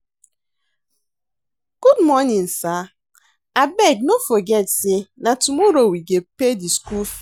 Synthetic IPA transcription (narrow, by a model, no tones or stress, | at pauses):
ɡ̥udmɔnin̩sa | abeɡnofoɡɛtsinatumoɾowiɡepediskuf